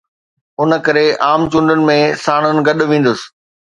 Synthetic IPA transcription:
ʊnə̆kɐɾeʔaːmt͡ɕʊ̃ɳɖənɪ̆mẽsaːɽ̃ənɪ̆ɡɐɗʋĩːnd̪ʊsɪ̥̆

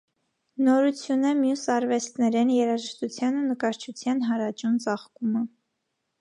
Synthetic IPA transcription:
nɔɾut͡sʰjunəmjusɑɾvɛst̪nɛɾɛnjɛɾɑʒəʃt̪ut͡sʰjɑnunəkɑɾt͡ʃʰut͡sʰjɑnɦɑɾɑt͡ʃunt͡sɑχkumə

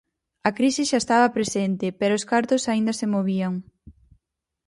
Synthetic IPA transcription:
ɐkɾisɪʃaest̪aβɐpɾesent̪ɪpɛɾoːskaɾt̪osaind̪ɐsemoβiaŋ

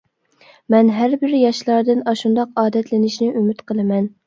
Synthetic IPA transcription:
mɛnɦæɾbɪɾjɑʃlˠɑɾd̪ɨnɑʃund̪ɑqɑːd̪ɛt̪ʰlɪnɪʃnɪʔymyt̪qʰəlˠɨmɛn

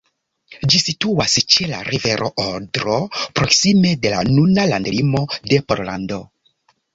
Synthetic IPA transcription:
d͡ʒisituast͡ʃe̞la̰ɾive̞ɾʔo̞̰ʔoɾdɾo̞pɾoksime̞de̞la̰nunalandlimo̞de̞poɾla̰ndo̞

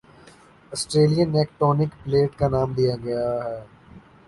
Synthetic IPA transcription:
ɐsʈɾeːlijə̃nːeːk̚ʈɔːnɪkpleːʈkanaːmd̪ijaɡɐjaɦɛː

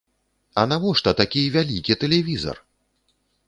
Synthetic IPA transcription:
ɐnavɔʂt̪ɐt̪akʲijvʲalʲikʲit̪ɛlʲɛvʲizɐ̰r

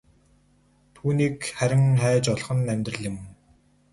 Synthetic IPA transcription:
t̪ʰuːniːkχæɾʲɪ̆ŋχæːt͡ɕɔɮ̆χə̆nːæmʲt̪rə̆ɮɪ̆m

